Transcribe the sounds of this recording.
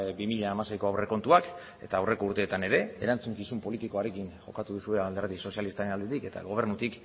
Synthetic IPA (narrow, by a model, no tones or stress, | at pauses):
bimiʎaːmasejko̞awre̞ko̞nt̪uak | e̞̰t̪aːwre̞ko̞uɾt̪e̞ːt̪ane̞ɾe̞eɾant͡suŋkisumpo̞lit̪iko̞aɾe̞kiŋʝo̞̰kat̪uðusue̞ald̪eɾðiso̞sialist̪aɾe̞nald̪e̞t̪ike̞t̪a̰ɣo̞β̞e̞ɾnut̪ik